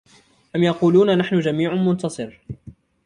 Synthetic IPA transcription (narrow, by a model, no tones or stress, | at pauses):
ʔamjɑquːluːnanaħnʊd͡ʒamiːʕʊmʊnt̪ɑsˤɨɾ